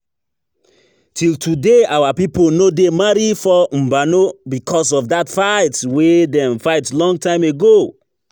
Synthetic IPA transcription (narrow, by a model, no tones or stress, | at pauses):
tʰiltudeawapiponodemaɹifɔm̩banobikʰɔs̬ɔfdatfaɪtwedɛ̃mfaɪtlɔ̃ŋɡtãɪ̃meɡo